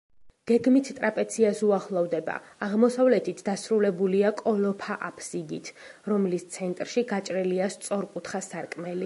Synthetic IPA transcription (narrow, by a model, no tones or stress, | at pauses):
ɡ̥ɛɡmit̪ʰt̪ʼɾapʼɛt̪sʰiasuaχlˠɔvd̪ɛba̰ːʁmɔsavlɛt̪ʰit̪ʰd̪asɾulɛbuliakʼɔlɔpʰaʔapʰsiɡḭt̪ʰɾɔmlist̪sʰɛnt̪ʼɾʃiɡat͡ʃʼɾɛliast̪sʼɔɾkʼut̪ʰχasaɾkʼmɛli